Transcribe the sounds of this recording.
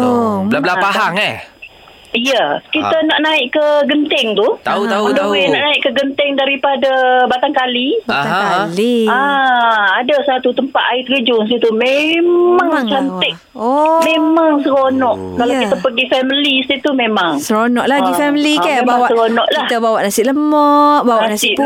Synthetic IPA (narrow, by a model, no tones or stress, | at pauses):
lablapaɦaŋa | ijəkit̪ənaʔnaɪʔkəɡənt̪ɪŋt̪ut̪auamədowɪʔnaʔnaɪʔkəɡənt̪ɪŋdaɾipadabat̪aŋkali | lia | adasat̪ut̪əmpat̪ait̪əɡid͡ʒʊŋs̬it̪umemaŋŋt͡ʃant̪əʔ | memaŋsəɾonɔʔ | kːalait̪apəɡifɛmilisit̪umẽmaŋsəɾonɔʔlaɡifɛmilikamawasəkonɔʔlaht̪abawaʔnasɪʔləmɔʔbawananasɪ